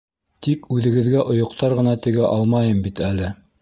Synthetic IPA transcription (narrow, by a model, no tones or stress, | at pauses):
t̪ikʉðɘ̆ɡɘ̆ðɡæʔŏjŏqt̪ɑɾʁɤ̆nɑt̪ɘ̆ɡæʔɑlˠmɑjɤmbit̪ælɘ